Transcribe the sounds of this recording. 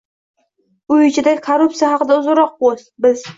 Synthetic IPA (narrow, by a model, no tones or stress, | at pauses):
ʊɪt͡ʃʰɪd̪akʰaɾʊp̚t̪sijahɑqɨd̪aʊzʊɾɒq̚bosbɪz